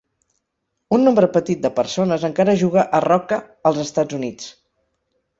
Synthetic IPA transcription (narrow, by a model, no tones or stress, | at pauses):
unːombɾəpət̪it̪̚d̪əpəɾsonəzəŋkaɾəʒuɣəʔərɔkə | əlˠzəst̪ad͡zunit͡s